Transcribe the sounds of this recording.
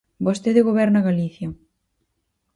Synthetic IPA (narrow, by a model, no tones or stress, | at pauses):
bost̪eðɪɣoβɛɾnɐɣaliθjɐ